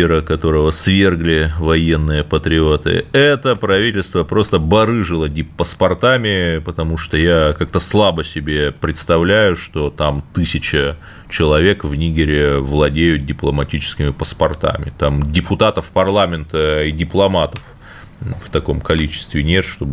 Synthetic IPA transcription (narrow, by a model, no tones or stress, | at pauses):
ɪɾəkɐt̪o̞ɾəvəsvʲe̞rɡlʲɪvɐje̞nːɨjəpət̪ɾʲɪot̪ɨ̰ɛt̪əpɾɐvʲitʲɪlʲst̪vəpɾo̞st̪əbɐɾɨʐɨlˠədʲɪpəspɐrt̪amʲɪpət̪ɐmuʂt̪ojakak̚t̪əslˠabəsʲɪbʲepɾʲɪt̪st̪ɐvlʲæjʊʂt̪o̞t̪amt̪ɨsʲɪt͡ɕɪ | t͡ɕɪlˠɐvʲe̞kvnʲiɡʲɪɾʲɪvlˠɐdʲejʊt̪̚dʲɪplˠəmɐtʲit͡ɕɪ̥skʲɪmʲɪpəspɐrt̪a̰mʲɪ̰t̪amdʲɪpʊt̪at̪əfpɐrlˠamʲɪnt̪əidʲɪplˠɐmat̪əf | ft̪ɐko̞mkɐlʲit͡ɕɪ̥st̪vʲɪnʲe̞t̪ʂt̪o̞b